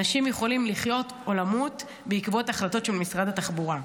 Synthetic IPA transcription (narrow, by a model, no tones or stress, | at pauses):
aʃimjeχo̞limliχjo̞tʔo̞lamut | beikbo̞taχlato̞tʃelmisʁad̪ataχbuʁa